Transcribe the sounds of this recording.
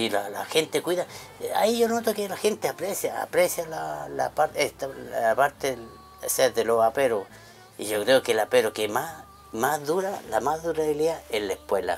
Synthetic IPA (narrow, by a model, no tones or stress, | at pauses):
ilala̰xent̪ekwiða | a̰iʝonot̪okelaxe̞nt̪eapɾesjaa̰pɾesjalala̰paɾet̪apaɾt̪e | seðelo̞sapeɾo | ḭʝokɾeokelapeɾokema | mazðuɾalamaðuɾaβiliaelaehpwe̞la̰